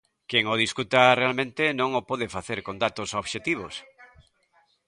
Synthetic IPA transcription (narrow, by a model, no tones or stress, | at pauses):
keŋoðiskut̪arealmẽnt̪enõŋopɔðefaθeɾkond̪at̪osoβʃet̪iβ̞os